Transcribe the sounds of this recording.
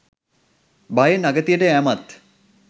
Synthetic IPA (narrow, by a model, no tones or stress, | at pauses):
bajənaɡət̪ijəʈəæmat̪